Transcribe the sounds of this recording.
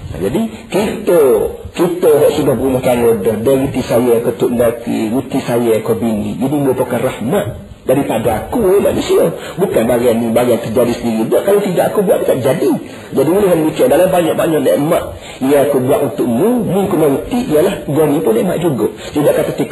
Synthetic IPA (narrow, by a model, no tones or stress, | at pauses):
na̰d͡ʒadikit̪okit̪oɦɔʔsudahbəɾumɔht̪aŋodəhdaɣut̪isajakət̪uʔndak̪ḭɾut̪isajakobinḭ̃d͡ʒinimupakarahmaʔ̪ | daɾipadaakuema̰nusia | bukanbaɡanibaɡant̪ərd͡ʒadisəndiɾid̪ɔʔkalawt̪idaʔakubuaʔik̪at̪d͡ʒadi | d͡ʒadioliɦamut̪iandalambaɲɔʔ̚baɲɔʔna̰ʔmaʔ | ijaakubuaʔunt̪ʊʔmumuŋkunmaɾut̪iʔijalahɡonipʊnema̰ʔd͡ʒuɡɔ | t̪idaʔkat̪at̪ik